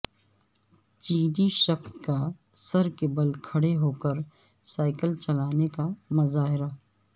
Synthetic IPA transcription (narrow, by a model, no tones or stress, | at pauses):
t͡ʃiːd̪iʃɐkska | sɐɾkebɐlkʰɐɽeɦoːkəɾ | saːɪkəlt͡ʃɐlaːnekamɐzaːɦɪɾa